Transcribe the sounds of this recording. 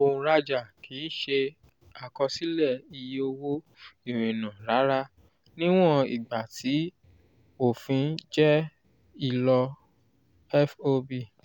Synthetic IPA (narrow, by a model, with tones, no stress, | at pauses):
õ˧˨˧ɾa˧d͡ʒa˦˨kʰi˨˦ʃe˧ | a˨kɔ˧si˦lɛ˦˨i˧je˧o˧wo˦ | i˦˨ɾ̃ĩ˨nã˨ɾa˨˦ɾa˦ | nĩ˦w̃ɔ̃˦ḭ˨ɡ͡ba˨tʰi˨˦ | o˦˨fĩ˨˧˦d͡ʒɛ˦ | i˦˧lɔ˧ | ɛ˦fo˧bi˦˨